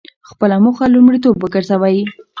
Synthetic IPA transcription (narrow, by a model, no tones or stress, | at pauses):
xpəlamuxalumɽit̪obːəɡəɾzawaji